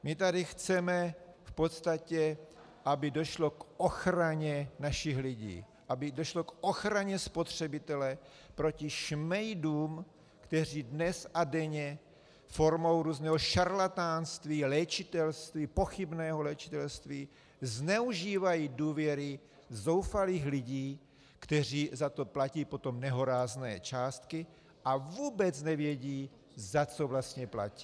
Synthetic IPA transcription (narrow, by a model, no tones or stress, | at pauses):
mɪt̪adɪxt͡sɛmɛfpot̪st̪acɛ | ʔabɪdoʃlo̞kʔoxɾaɲɛnaʃɪxlɪɟḭː | ʔabɪdoʃlokʔoxɾaɲɛspo̞t̪r̝̥ɛbɪt̪ɛlɛ | pɾo̞cɪʃmɛjduːm | kt̪ɛr̝iːdnɛsadɛɲɛ | fo̞ɾmo̞wɾuːznɛːɦoʃaɾlat̪aːnst̪viːlɛt͡ʃɪt̪ɛlst̪viːpo̞xɪbnɛːɦolɛt͡ʃɪ̥t̪ɛlst̪viː | znɛuʒiːvajiːduːvjɛɾɪ | zo̞wfaliːxlɪɟiː | kt̪ɛr̝iːzat̪o̞placiːpo̞t̪o̞mnɛɦoɾaːznɛːt͡ʃaːst̪kɪ | ʔavuːbɛt͡snɛvjɛɟiː | zat͡so̞vlast̪ɲɛpla̰ci̥